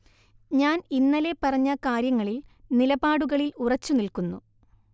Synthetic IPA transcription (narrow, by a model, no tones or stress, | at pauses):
ɲaːninːɐlepɐrɐɲːɐkaːɾjɐŋːɐɭilnilɐbaːɽuɣɐɭilurɐt͡ɕːunilkunːṵ